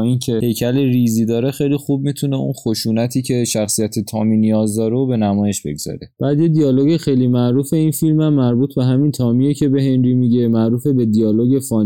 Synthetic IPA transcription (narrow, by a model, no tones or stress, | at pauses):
incʰe̞hejcʰæleɾiziːd̪ɒːɾexejlixub̚miːt̪ʰune̞unxoʃuːnæt̪ʰiːcʰeʃæxsijæt̪ʰet̪ʰɒːminijɒːzd̪ɒːɾeobe̞næmɒːje̞ʃbe̞̰ɡz̥ɒ̰ɾe̞b̥æːd̪jed̪iɒːlo̞ɡexejlimæʔɾuːfe̞infilmæmːæɾbuːt̪ʰbe̞ɦæmint̪ʰɒːmijecʰe̞be̞ɦe̞nɾiːmiɟe̞mæʔɾuːfe̞be̞d̪ijɒːloɡe̞fɒːn